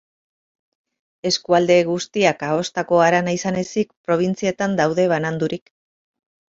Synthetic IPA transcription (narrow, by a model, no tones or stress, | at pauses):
e̞skuald̪e̞ɣust̪iakao̞st̪ako̞aɾanaisane̞sikpɾo̞β̞int͡sie̞t̪and̪awðe̞βanand̪uɾik